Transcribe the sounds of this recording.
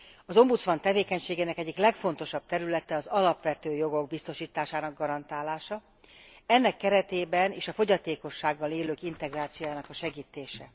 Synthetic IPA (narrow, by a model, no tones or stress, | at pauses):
ɒzo̞mbut̪smɒnt̪ɛveːkɛɲʃeːɡeːnɛkɛɟːiklɛkfo̞nt̪o̞ʃɒb̚t̪ɛɾylɛt̪ɛɒzɒlɒpʋɛt̪øːjo̞ɡo̞ɡ̚bist̪o̞ʃiːt̪aːʃaːnɒɡɡɒɾɒnt̪aːlaːʃɒ | ɛnːɛkːɛɾɛt̪eːbɛneːʃɒfo̞ɟɒt̪eːko̞ʃːaːɡːɒleːløːkint̪ɛɡraːt̪sijojaːnɒkɒʃɛɡiːt̪eːʃɛ̰